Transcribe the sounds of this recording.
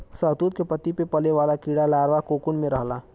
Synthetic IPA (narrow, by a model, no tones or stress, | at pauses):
səːt̪uːt̪kepɐt̪ipepɐleʋaːlakiːɽalaːɾʋakoːkʊnmẽɾɐɦlaː